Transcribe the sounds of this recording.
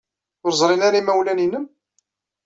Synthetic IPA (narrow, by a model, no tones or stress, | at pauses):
ʊɾzˤɾˤenaɾaimæwlæninəm